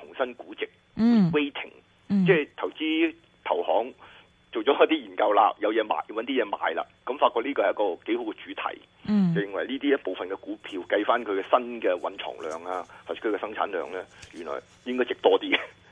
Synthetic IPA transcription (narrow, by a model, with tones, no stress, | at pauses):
t̪ʰʊ˨˩ŋsɐ˥nkuː˨˥t͡sɪ˨k̚ | we˥jt̪ʰɪ̰˨˩ŋ | t͡sɛː˥˧˩t̪ʰɐ˨˩wt͡siː˥ | t̪ʰɐ˨˩whɔ̰ː˨˥ŋ | t͡so˨wt͡ʃɔː˨˥ɐ˨˥t̪iː˥jiː˨˩nkɐ˧wla̰ː˧jɐ˨˧wjɛː˨˧ma̰ː˨jwɐ˨˥nt̪iː˥jɛː˨˧ma̰ː˨jla̰ː˧kɐ˨˥mfaː˧t̚kɔː˧liː˥kɔ˧˨jɐ˥kɔː˧ke˨˥jho˨˥wkɛː˧t͡ʃyː˨˥t̪ʰɐ̰˨˩j | t͡sɐ˨wjɪ˨˧ŋwɐ˨˩jliː˥t̪i˥jɐ˥t̚po˨wfɐ˨nkɛ˧kuː˨˥pʰiː˧wkɐ˧jfaː˥nkʰɵ˨˧kɛ˧sɐ˥nkɛː˧wɐ̰˨˥nt͡ʃʰɔ̰ː˨˩ŋlœː˨ŋaː˧a˨˩skʰɵ˨˧kɛ˧sɐ˥ŋt͡sʰaː˨˥nlœ̰ː˨ŋlɛː˥jy˨˩nlɔ̰ː˨˩j | jɪ˥ŋkɔː˥jt͡sɪ˨k̚t̪ɔː˥t̪iː˥